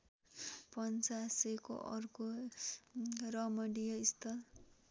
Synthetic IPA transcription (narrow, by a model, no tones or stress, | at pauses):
pʌnt͡saseko̰ʔʌ̰rko | rʌmʌɽijʌist̪ʌ